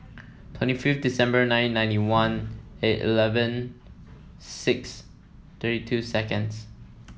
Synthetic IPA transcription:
tʰw̥ɛ̃ntififtdisɛ̃mbənãɪ̃nːãɪ̃ntiwãnetḭlɛvə̃n | sɪks | t̪ʰɜɾitʰusɛkə̃ns

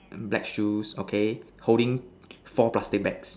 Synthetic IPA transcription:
blɛ̰kʃusokʰe | hoɾɪ̃ŋ | fɔplastɪk̚bɛks

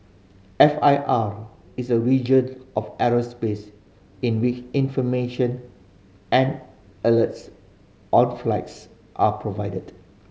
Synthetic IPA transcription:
ɛfaɪʔaɹ | isəɹid͡ʒə̃nɔfɛɹəspes | ĩnwit͡ʃĩnfɔmeʃə̃n | ʔɛ̃n | ɛləts | ʔɔ̃nflaɪts | ʔapʰɹovaɪdəd

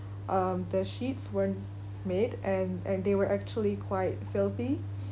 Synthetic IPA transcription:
ʔʌ̃md̪əʃitswə | medʔɛ̃nɛ̃nd̪ewəɹʔæk̚t͡ʃuəlikʰwaɪt̚fɪlˠθi

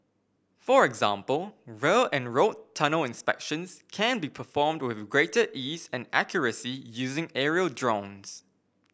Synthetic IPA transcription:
fəɹɛɡzã̰mpəlˠɹeɨ̃nɹoʊtʰʌnəlˠɪ̃nspɛ̰kʃə̃nz̥kʰæ̃nbipʰəfɔːmd̚wɪðɡɹeɪtəʔizɨ̃næ̰kʰjəɹəsijʉːzɪ̃ŋɛɹiəlˠdɹõʊ̃nz̥

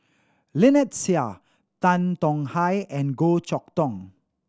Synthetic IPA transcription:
lɛnɛt̚sia | tãntɔ̃ŋhajɛ̃nɡot͡ʃɔk̚t̪ɔ̃ŋ

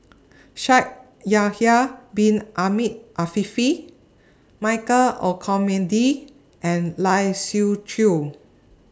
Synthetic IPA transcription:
ʃak̚ | jahiabĩnʔamit̚ʔafifi | maɪkəlɔkʰɔmɛ̃ndi | ʔɛ̃nlajsut͡ʃʰu

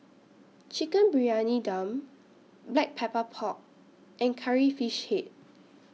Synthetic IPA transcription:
t͡ʃikə̃nbɹianidãm | blɛk̚pʰɛpəpʰɔk̚ | ʔɛ̃nkʰaɹifiʃhet̚

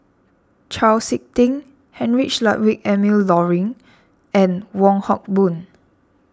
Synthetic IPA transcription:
t͡ʃʰalsik̚tĩŋ | hɛ̃nɹiʃlat̚wikɛmillɔɹĩŋ | ɛ̃nwɔ̃ŋhɔk̚bũn

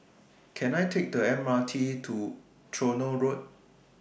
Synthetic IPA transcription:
kʰɛ̃najtʰek̚dəɛ̃mːatʰitʰu | tʰɹonəlɹot̚

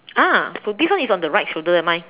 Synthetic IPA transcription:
asodiswãnisɔ̃ndəɹajt̚ʃuldə̃ɛmãɪ

